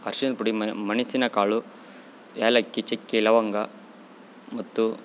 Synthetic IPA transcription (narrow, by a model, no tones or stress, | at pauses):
ɐɾʂinɐlpuɽimɐnisinɐkaːɭu | eːlɐkːit͡ʃekːelɐʋɐŋɡɐ | mɐt̪ːu